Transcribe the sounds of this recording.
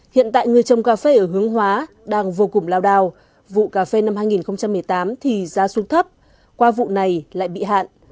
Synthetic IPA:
hḭ˧˨ənt̪a̰ː˧˨jŋɨ˨˩əjt͡ɕə˨˩wŋ͡mkaː˧fe˧ʔəː˧˩ɦɨ˨˦əŋɦwaː˨˦ | ɗaː˧ŋvo˧kʊ˨˧˩ŋ͡mlaː˧wɗaː˧˩w | vṵ˧˨kaː˧˩fe˧na˧mhaː˧jŋi˨˩nxə˧wŋ͡mt͡ɕa˧mːɨ˨˩əjt̪aː˨˦mt̪ʰi˨˩zaː˨˦su˨˦ŋt̪ʰə˦˥p̚ | kwaː˧vṵ˧˨na˨˩jla̰ː˧˨jɓḭ˧˨ɦa̰ː˧˨nʔ

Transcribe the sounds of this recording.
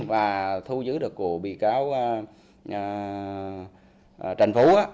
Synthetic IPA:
vaː˨˩t̪ʰu˧zɨ˨˦ɗɨ˨˩əkːu˧˩əɓḭ˧˨kaː˨˦w | ʔəː˨˩˨ | t͡ɕa˨˩jŋ̟fu˨˦ʔaː˨˦

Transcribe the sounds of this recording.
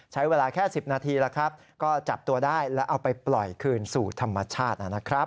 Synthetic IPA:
t͡ɕʰa˦˥jweː˧laː˧kʰɛː˥˩si˨˩p̚naː˧t̪ʰiː˧laː˧˩kʰɾa˦˥p̚ | kɔː˥˩t͡ɕa˨˩p̚t̪u˧ɐdaː˥˩jlɛ˦˥ʔa˧wpa˧jplɔ˨˩jkʰɯː˧nsuː˨˩t̪ʰa˧mːa˧t͡ɕʰaː˥˩t̪̚ʔa˨˩na˦˥kʰɾa˦˥p

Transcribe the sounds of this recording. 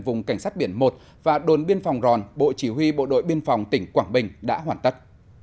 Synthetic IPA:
vʊ˨˩ŋ͡mka˧˩jŋ̟saː˦˥t̚ɓi˧˩ənmo˨˩t̚ | vaː˨˩ɗo˨˩nɓi˧ənfa˨˩wŋ͡mzɔ˨˩nɓo̰˧˨t͡ɕi˧˦ɦwi˧ɓo̰˧˨ɗo̰˧˨jɓi˧ənfa˨˩wŋ͡mt̪ï˧˩ŋ̟kwaː˧˩ŋɓï˨˩ŋ̟ɗa̰ː˧˥ɦwaː˧˩nt̪ə˦˥t̚

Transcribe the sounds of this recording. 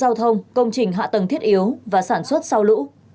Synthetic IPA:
aː˧wt̪ʰə˧wŋ͡mkə˧wŋ͡mt͡ɕï˨˩ŋ̟ɦa̰ː˧˨t̪ə˨˩ŋt̪ʰi˦˥ətʔi˨˦ə˦wvaː˨˩saː˧˩nswə˦˥t̚sa˧wlṵ˧˥

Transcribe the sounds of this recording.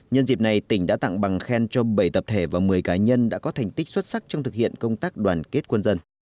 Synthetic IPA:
ɲə˧nzi˨˩na˨˩jt̪ï˧˩ŋ̟ɗa̰ː˧˥t̪a̰˧˨ŋɓa˨˩ŋxɛ˧nt͡ɕɔ˧ɓə˧˩jt̪ə˨˩p̚t̪ʰe˧˩vaː˨˩mɨ˨˩əjkaː˨˦ɲə˧nɗa̰ː˧˥kɔ˨˦t̪ʰa˨˩jŋ̟t̪ï˦˥k̟̚swə˦˥t̚sa˦˥k̚t͡ɕɔ˧wŋ͡mt̪ɨ˨˩k̚hḭ˧˨ənkə˧wŋ͡mt̪aː˦˥k̚ɗwaː˨˩nke˦˥t̚kwə˧nzə˧n

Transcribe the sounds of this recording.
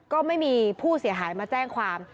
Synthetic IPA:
kɔː˥˩ma˥˩jmiː˧pʰuː˥˩si˨˩˦ɦaː˩˦jmaː˧t͡ɕɛː˥˩ŋkʰwaː˧m

